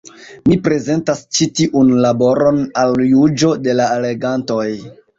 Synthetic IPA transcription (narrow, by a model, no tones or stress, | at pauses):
mipɾe̞ze̞ntast͡ʃitiʔunlabo̞ɾo̞naljud͡ʒo̞de̞laele̞ɡanto̞j